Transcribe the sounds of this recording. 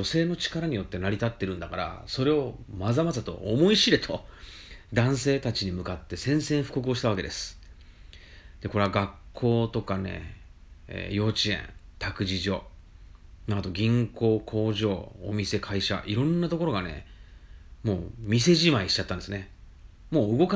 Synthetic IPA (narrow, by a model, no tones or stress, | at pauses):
o̞se̞ːno̞t͡ɕi̥kaɾaɲ̟ijo̞t̪ːe̞naɾʲit̪at̪ːe̞ɾɯ̟̃nd̪akaɾa̰so̞ɾe̞o̞mazamazat̪o̞̰ːmo̞iɕiɾe̞t̪ʰo̞ | d̪ãɰ̃se̞ːt̪at͡ɕiɲ̟imɯ̟kat̪ːe̞sẽ̞ɰ̃sẽɰ̃ɸɯ̥ko̞k̬ɯ̟o̞ɕ̬i̥t̪aβake̞d̪e̞sɨ̥ | d̪̥e̞ko̞ɾe̞aɡakʰːo̞ːt̪o̞kane̞̰ | jo̞ːt͡ɕiḛ̃nt̪akɯ̟ʑiʑo̞ː | nat̪o̞ɡʲĩŋko̞ːkʰo̞ːʑo̞ːomʲise̞kʰaiɕa̰ʔiɾõ̞nːat̪o̞ko̞ɾo̞ɡane̞̰ | mo̞̰ːmʲise̞ʑimaiɕi̥t͡ɕat̪ːand̪esɨne | mo̞ːɯ̟ɡo̞ka